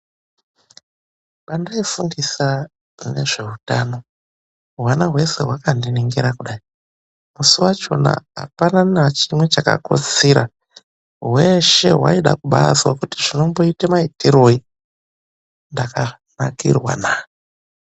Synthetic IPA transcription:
ɓandaefundisa | ne̞̰ʐe̞utano̞ | ɦwanaɦwe̞se̞̰ɦwakandiniŋɡeɾakuɗai | musiwat͡ʃo̞̰na̰ɦa̰pananat͡ʃimwe̞t͡ʃaka̰ko̰t͡siɾa | ɦweʃe̞ɦwa̰iɗakuɓaswakutiʐino̞mbo̞itamaitiɾo̞i | ndaka | nakḭrwa̰na

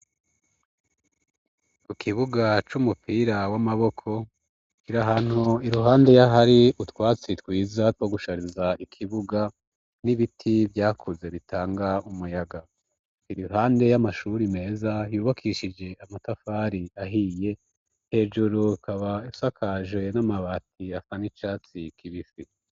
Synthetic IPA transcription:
ukʰiβuɡat͡ʃumupiːɾawamaβo̞kʰo̞ | kiɾaɦaːn̥huiɾuɦaːnde̞jaɦaɾiutwaːt͡sitwiːzatwoɡuʃaɾizaʔikʰiβuɡa | niβitʰivjaːkʰuze̞βitaːŋɡaumujaɡa | iɾiɦaːnde̞jamaʃuɾime̞ːzajuːβakʰiːʃid͡ʒe̞amatafaːɾiaɦije̞ | he̞ːd͡ʒuɾukaβaisakʰaʒwe̞namaβat̚ʰiasanit͡ʃaːt͡sikʰiβifi

